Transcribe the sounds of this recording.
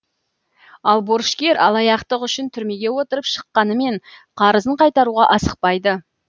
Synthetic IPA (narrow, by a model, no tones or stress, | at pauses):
ɑlˠboɾʃkʲe̞ɾɑ̰lˠɑjɑqt̪əqʏʃɪnt̪ʰʏɾme̞ɡʲe̞wo̞t̪əɾəpʃə̥qːɑnəme̞ɴqʰɑɾəzəɴqʰɑjt̪ɑɾuʁɑʔɑsəq̚pɑjd̪ə